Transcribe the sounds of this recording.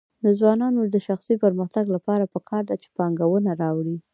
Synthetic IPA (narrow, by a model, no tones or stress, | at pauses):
d̪əzwɑnɑnod̪əʃaxsipəɾməxt̪aɡlapɑɾapəkʰɑɾd̪at͡ʃe̥pɑŋɡawənaɾɑwɽi